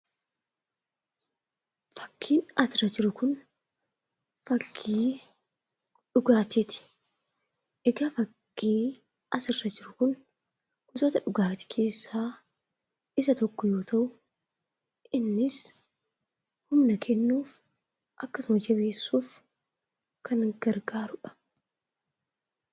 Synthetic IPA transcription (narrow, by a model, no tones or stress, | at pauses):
fɐ̥kːiːnɐsɪrɐd͡ʒɪɾʊkʊn | fɐɡiː | ᶑʊɡaːt̪ɪt̪ɪ̥ | ʔɛɡɐfɐɡːiː | ʔɐsɪrːɐd͡ʒɪɾʊkʊn | ɡ̥ʊt̪oːt̪ɐᶑʊɡaːt̪ɪ̥kʰe̞ːsːaː | ɪsɐt̪ɔkːɔjo̞ːt̪ɐʔʊ | ʔɪnːɪs | hʊmnɐkʰɛnːuːf | ʔɐkːɐsʊmɐd͡ʒɐbe̞ːsːuːf | kʰɐnɡ̥ɐɾɡaːɾʊᶑɐ̥